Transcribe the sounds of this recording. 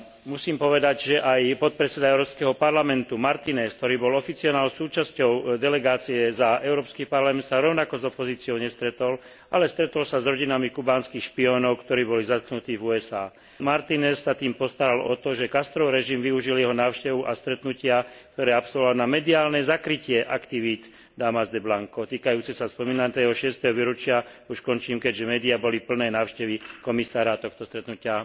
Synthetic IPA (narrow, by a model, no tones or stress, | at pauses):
musiːmpɔʋɛd̪aɟʒɛʔajpɔt̪̚pɾɛt͡sɛd̪aɛʊɾɔːpskɛɦɔpaɾlamɛnt̪umaɾt̪inɛskt̪ɔɾiːbɔlɔfit͡siɔnaːlsuːt͡ʃascɔʊd̪ɛlɛɡaːt͡siɛzaɛʊɾɔːpskiːpaɾlamɛnt̪saɾɔʊnakɔzɔpɔziːt͡siɪɔʊɲɛst̪ɾɛt̪ɔl | ʔalɛst̪ɾɛt̪ɔlsazɾɔɟinamikubaːnskiːxʃpiɔːnɔʊkt̪ɔɾiːbɔlizat̪knut̪iːvuɛza̰ː | maɾt̪inɛsːat̪iːmpɔst̪aɾalɔ̰t̪ɔʒɛkast̪ɾɔʊɾɛʒimʋiuʒiljɛɦɔnaːʊʃcɛʋuʔast̪ɾɛt̪nucɪakkt̪ɔɾɛːapsɔlʋɔʋalnamɛd̪iaːlnɛzakɾicɪɛʔakt̪iʋid̪ | d̪amazd̪ɛblaŋkɔt̪iːkajuːt͡sɛsaspɔmiːnat̪ɛɦɔʃɪɛst̪ɛɦɔʋiɾut͡ʃɪa | uʃkɔnt͡ʃiːmkɛɟʒɛmɛːd̪iabɔlipl̩nɛːjnaːʊʃcɛʋikɔmisaːɾat̪ɔxt̪ɔst̪ɾɛt̪nucɪa